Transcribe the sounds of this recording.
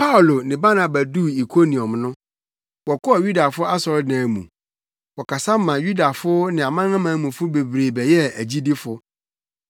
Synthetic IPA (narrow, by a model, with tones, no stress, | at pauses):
pʰa˦ʊ˨lo˨nɪ̃˨ba˦nã˨bæ˨du˦i˨kʰo˦nĩ˨ɔ̃˨mnʊ̃˦ | wɔ˨kʰɔ˦a˨ju˦da˨fʊ˦a˦sɔ˨ɾdnã˨mṵ̃˨ | wɔ˨kʰa˨sa˦m˦mã˨ju˦da˨fʊ˦nɪ̃˨a˨mã˦ŋã˦mã˨˦mũ˨fʊ˦be˨bɾeː˨bɛ˨jɛ˦æ˨d͡ʑi˦di˦fʊ˨